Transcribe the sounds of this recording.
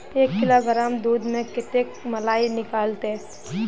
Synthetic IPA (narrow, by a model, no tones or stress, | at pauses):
eːkːɪloɡəɾaːmd̪uːd̪mẽkɪʈ̪ekmɐlaːinɪkaːlt̪e